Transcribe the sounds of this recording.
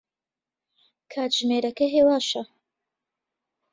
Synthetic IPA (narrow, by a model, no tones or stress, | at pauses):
kʰaːt̪ʒ̥meːɾɐkɐɦeːwaːʃɐ